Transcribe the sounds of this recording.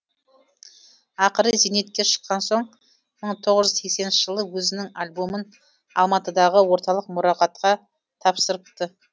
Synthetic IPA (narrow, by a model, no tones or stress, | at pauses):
ɑqəɾəzine̞t̪̚kʲe̞ʃə̥qːɑnso̞ɴ | məɴt̪ʰo̞ʁəʒʏzse̞kse̞nnʃɪʒ̥əlˠəwɵzɪnɪŋalʲbo̞mən | ɑ̰lˠmɑt̪əd̪ɑʁəwo̞ɾt̪ɑlˠəq̚mʊɾɑqɑt̪qɑ | t̪ʰɑpsəɾəp̚t̪ə